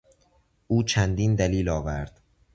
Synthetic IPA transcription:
ʔuːt͡ʃʰænd̪iːnd̪æliːlɒːvæɾd̪̥

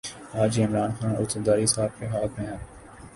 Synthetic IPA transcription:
aːd͡ʒiɪmɾaːnxaːnʊ̰t̪əd̪aːɾisaːb̚keɦaːt̪ʰmẽɦɐt̪

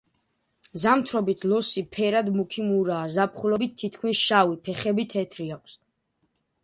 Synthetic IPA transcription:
zamt̪ʰɾɔbit̪ʰlɔsipʰɛɾad̪mukʰimuɾaːzapʰχulɔbit̪̚ʰːit̪kʰmisʃawipʰɛχɛbit̪ʰɛt̪ʰɾiakʷʰs

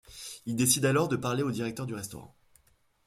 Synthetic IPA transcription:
ild̪esid̪alɔʁd̪əpaʁleod̪iʁɛk̚t̪œʁd̪yʁɛst̪ɔ̰ʁɑ̰̃

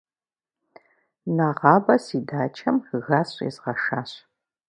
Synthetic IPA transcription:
naʁɑːbɐsidaːt͡ʃʰɐmɣaːsʼḭːzʁɐʂaːɕ

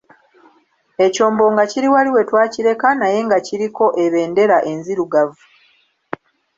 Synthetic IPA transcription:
e̞co̞ːmbo̞ːŋɡaciɾiwaliwe̞twaːciɾe̞kanaje̞ŋɡaciɾiko̞ʔe̞βe̞ːnde̞ɾaʔe̞nziɾuɡavu

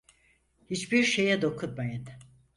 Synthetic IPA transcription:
hit͡ʃbiɾʃejɛd̪o̞kʰut̪majɯn

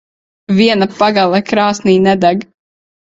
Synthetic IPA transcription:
viɛnapaɡalˠɛkɾaːsniːnɛd̪aɡ

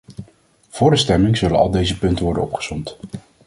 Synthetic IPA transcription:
v̥ʊːɹdəstɛmɪŋz̥ɵlənɑ̰lˠdejzəpɵntəʋɔɹdə̰nɔpχə̥sɔmt

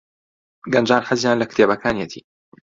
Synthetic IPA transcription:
ɡɐnd͡ʒaːnħɨzjaːnlɐkt̪ʰeːbɐkʰaːnijɛt̪ʰḭː

